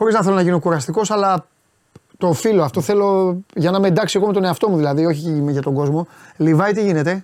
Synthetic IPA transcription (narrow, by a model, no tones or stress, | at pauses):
xo̞ɾiznɐθe̞lonɐʝinokuɾɐst̪iko̞sɐlɐ | t̪ofilo̞ɐft̪o̞θe̞lo̞ʝɐnɐmend̪ɐksieɣome̞t̪o̞ne̞ɐft̪omuðilɐðio̞çimʝɐt̪o̞ŋɡo̞zmo̞livɐit̪iʝine̞t̪e̞